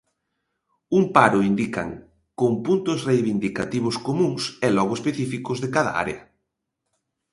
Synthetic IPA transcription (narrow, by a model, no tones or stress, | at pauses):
uŋpaɾʊind̪ika̰ŋ | koŋpunt̪ʊsrejβind̪ika̰t̪iβ̞ʊskomũŋsɛlɔɣʊespeθifikʊzðekaðɐ̰a̰ɾḛɐ